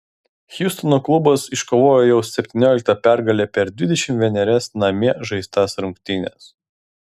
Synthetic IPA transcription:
xʲjʊst̪ɔnoːklˠʊbɐsɪʃkoʋoːjoːjɛʊsʲɛpʲt̪ʲɪnʲoːlʲɪk̚t̪ɐpʲæˑɾɡɐlʲeːpʲɛɾd̪ʲʋʲɪd̪ʲɛʃʲɪmʋʲɛnʲɛɾʲɛsnɐmʲiɛʒɐɪst̪ɑsɾʊŋkt̪ʲɪnʲɛ̰s

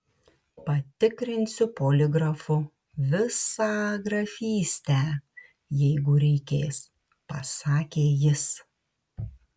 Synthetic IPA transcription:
pɐt̪ʲɪkɾʲɪnʲsʲʊpoːlʲɪɡɾɐfʊ | ʋʲɪsɑːɡɾɐfʲiːsʲt̪ʲɛ | jɛɪɡʊɾʲɛɪkʲeːs | pɐsɑːkʲeːjɪs

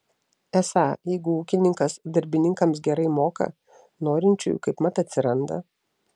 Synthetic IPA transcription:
ɛsɑːjɛɪɡʊuːkʲɪnʲɪŋkɐsd̪ɐɾʲbʲɪnʲɪŋkɐms̬ɡʲɛɾɐɪmoːkɐ̰ | noːɾʲɪnʲt͡ʃʲʊ̰jkɐɪpmɐt̪ɐt̪ʲsʲɪɾɐnd̪ɐ̰

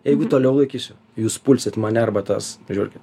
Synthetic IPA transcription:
jɛɪɡʊt̪oːlʲɛʊlˠɐɪkʲiːsʲʊ | juːspʊlʲsʲɪt̪mɐnʲɛɐrbɐt̪ɑsʒʲuːrʲkʲɪt̪

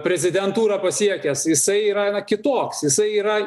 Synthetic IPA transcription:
pʲɾʲɛzʲɪd̪ʲɛnt̪uːɾɐpɐsʲiɛkʲɛsjɪsɐɪiːɾɐnɐkʲɪt̪oːksjɪsɐɪiːɾɐ

